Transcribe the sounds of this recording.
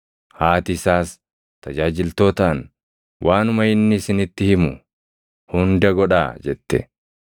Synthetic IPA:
haːt̪ɪsaːs | t̪ɐd͡ʒaːd͡ʒɪlt̪o̞ːt̪an | wʔaːnʊmɐɪnːɪːsɪnɪt̪ːɪhɪmʊ | hʊnd̪ɐɡɔᶑa̰ːd͡ʒɛt̪ːɛ̰

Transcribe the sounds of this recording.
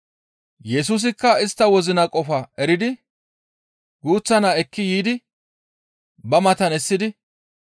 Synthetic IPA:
jɛs̬uːs̬ɪkːɐɪst̪ːɐwɔzɪnɐkʼɔfɐɛɾɪd̪ɪ | ɡuːt͡sːɐnaɛkːɪjiːd̪ɪ | bɐmɐt̪ɐnɛsːɪd̪ɪ

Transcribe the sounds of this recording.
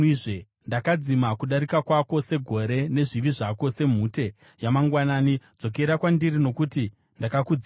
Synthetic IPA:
iʐe | ndakad͡zimakuɗaɾikakwako̞se̞ɡʱo̞ɾe̞ne̞ʐiʋiʐako̞se̞m̤uːte̞ | jamaŋɡwanaːnid͡zo̞k̬e̞ɾakwandirino̞kuti | ndakakud͡z

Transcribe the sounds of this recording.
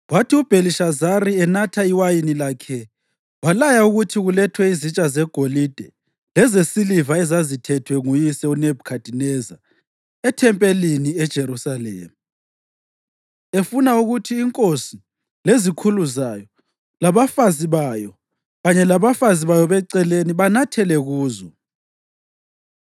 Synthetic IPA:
watʰiub̥ʱeliʃazaɾiɛnatʰaiwajinilakʰɛ | walajauɣutʰiɣulɛtʰwɛizit͡ʃʼazɛɡ̥ʱolid̥ʱɛ | lɛzesilivaɛzazitʰɛtʰwɛŋujisɛunɛbʱukʰad̥ʱinɛza̰ | ɛtʰɛmpʼeliniɛd̥ʒ̥ʱeɾusalɛ̰ːm | efunauɣutʰiːŋkʼosi | lezikʰuluzajɔ | laβafaziβajɔ | ɣaɲɛlaβafaziβajɔβɛǀɛleniβanatʰɛlɛɣuːzɔ̰

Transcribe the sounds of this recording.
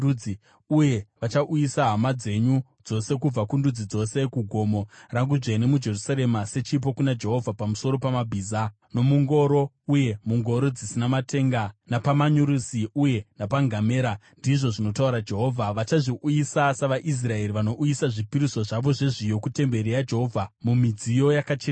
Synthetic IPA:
i | uje̞ʋat͡ʃaʔujisaɦamad͡ze̞ɲu | d͡zo̞se̞kub͡vakundud͡zid͡zo̞se̞kuɡʱo̞mo̞raŋɡuʐene̞mud͡ʒe̞rusaɾe̞mase̞t͡ʃip̬o̞kunad͡ʒe̞ɦo̞vʱapamuso̞ɾo̞pamabʱiːza | no̞muŋɡo̞ɾo̞ | uje̞muŋɡo̞ɾo̞d͡zisinamatʰe̞ŋɡanapamaɲuɾusiuje̞napaŋɡame̞ːɾandiʐo̞ʐino̞tauɾad͡ʒe̞ɦo̞ːvʱaʋat͡ʃaʐiʔujisasaʋaʔis̬rae̞ɾiʋano̞ʔujisaʐipiɾiso̞ʐaʋo̞ʐe̞ʐijo̞kute̞mbe̞ɾijad͡ʒe̞ɦo̞vʱamumid͡zijo̞jakat͡ʃe

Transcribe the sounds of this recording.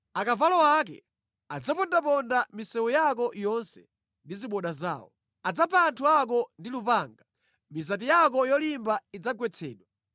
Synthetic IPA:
akavalɔwak̬ɛ̰ | ad͡zapɔndapɔndamisɛwujakɔjɔnsɛ | ndiziɓɔɗaza̰ːɔ̰ | ad͡zapʰaːntʰuak̬ɔndilupaːŋɡa | mizat̬ijak̬ɔjɔlimbaid͡zaɡwɛt͡sʰɛːɗwa

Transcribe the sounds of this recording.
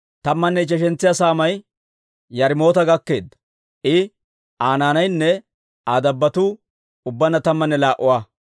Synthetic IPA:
t̪ɐmːɐnːɛt͡ʃɛʃ̬ɛnt͡sːɪjaːsaːmɐj | jɐɾɪmo̞ːt̪ɐɡɐkːe̞ːd̪ːɐ | ʔɪ | ʔaːnaːnɐjnːɛ | aːd̪ɐbːɐt̪uː | ʊbːɐnɐt̪ɐmːɐnːɛlaːʔʊwaː

